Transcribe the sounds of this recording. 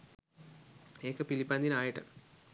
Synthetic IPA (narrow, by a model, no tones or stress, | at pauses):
eːkːɨpilipːaːnd̪inaːjiʈːɨ̰